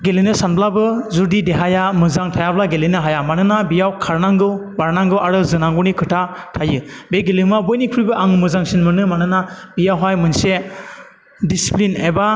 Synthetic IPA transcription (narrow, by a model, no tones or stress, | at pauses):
ɡelinɯsanbʰlabɯzuɾdideɦajamɯzaŋtʰajablaɡelinɯɦajamanɯnabijawkʰaɾnaŋɡɯwbaɾnaŋɡɯwaɾɯzɯnaŋɡunikʰɯɾtʰatʰajɯbeɡelimabɔjnikʰɾujbɯʔaŋmɯzaŋsinmɯnɯmanɯnabijawɦajmɯnse | disi̥plinajba